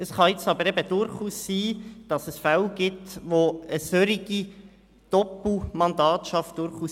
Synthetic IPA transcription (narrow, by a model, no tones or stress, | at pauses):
əsχɑjɪt͡sɑbəɾɛbəd̥ʊɾχuːsːiːd̥ɑsəsfalɡ̥ɪtʋoəsøɾiɡ̥i | d̥ɔpl̩mɑnd̪ɑːtʃɑft̚d̥ʊɾχuːs